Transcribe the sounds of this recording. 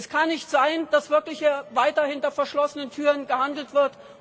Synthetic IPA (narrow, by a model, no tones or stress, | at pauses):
skʰanːɪçtz̥aɪnd̥asv̥ɪɐklɪçevaɪtɐhɪntɐfɛɐʃlɔsənəntʰyːʁənɡəhandl̩tv̥ɪɐt